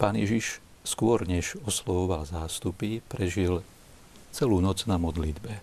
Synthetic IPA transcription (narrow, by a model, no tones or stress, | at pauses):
paːnjɛʒiʃ | skʊɔɾɲɛʒɔslɔʋɔʋalzaːst̪upipɾɛʒil | t͡sɛluːnɔd͡znamɔd̪lid̪bɛ